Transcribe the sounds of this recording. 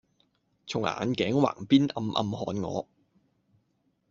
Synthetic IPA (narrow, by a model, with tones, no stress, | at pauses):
t͡sʰʊ˨˩ŋʔa̰ː˨nkɛː˨˥ŋwa̰ː˨˩ŋpiː˥nʔɐ˧mʔɐ̰˧mhɔː˨˧nŋɔ̰ː˨˧